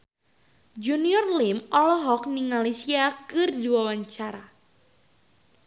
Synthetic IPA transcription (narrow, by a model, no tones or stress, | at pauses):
d͡ʒuniɔrlimɔlɔɦɔk̚niŋalisiakɨrduawaɲt͡ʃaɾa